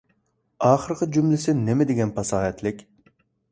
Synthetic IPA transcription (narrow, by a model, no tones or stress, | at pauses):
ɑːχəɾqʰɨd͡ʒumlɪsɪnɪmɪd̪ɪɡʲɛnpʰɑsɑːɦɛt̪lɪkʲ